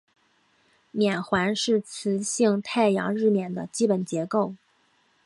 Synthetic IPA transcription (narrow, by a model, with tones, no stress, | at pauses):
njɛ˨˩nxwa˧˥nʂɻ̩˥˩t͡sʰɹ̩˧˥ɕi˥˧ŋt̪ʰa˥˩ɪjɑ̰˧˥ŋɻɻ̩˥˩mjɛ˨˩nd̪ə̰˦t͡ɕi˥pə˨˩nt͡ɕjɛ˧˥ko˥˩ʊ